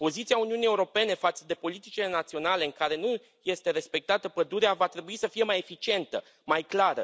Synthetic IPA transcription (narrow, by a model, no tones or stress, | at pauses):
po̞zit̪siauniunije̞uɾo̞pe̞ne̞fat̪səd̪e̞po̞lit̪it͡ʃile̞nat̪sio̞nale̞ɨŋkaɾe̞nu | je̞st̪e̞ɾe̞spe̞k̚t̪at̪əpəd̪uɾeavat̪ɾe̞buisəfije̞maje̞fit͡ʃie̞nt̪ə | majklaɾə̰